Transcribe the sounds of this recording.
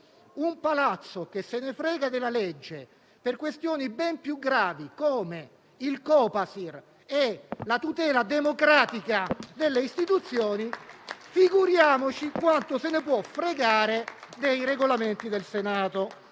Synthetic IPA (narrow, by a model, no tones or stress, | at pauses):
umpalat̪sːokesːenefɾɛːɡad̪elaled͡ʒːe | perkwest̪joːnibɛmpjuɡːɾaːvikoːme | ilkɔːpasir | elat̪ut̪ɛːlad̪emokɾaːt̪ikad̪elːeist̪it̪ut̪sːjɔːnifiɡuɾjaːmot͡ʃikwant̪osenepwɔfɾeɡaːɾed̪ejɾeɡolament̪id̪elsenaːt̪o